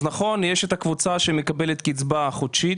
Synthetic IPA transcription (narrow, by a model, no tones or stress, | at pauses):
naχo̞njeʃet̪hakvut͡saʃemekabelet̪kit͡sbaχod̪ʃi